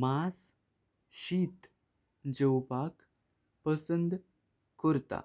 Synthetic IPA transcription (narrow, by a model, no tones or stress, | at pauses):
mas | ɕiːt̪ | d͡ʑəwpak | pəsənd̪ | kəɾt̪a̰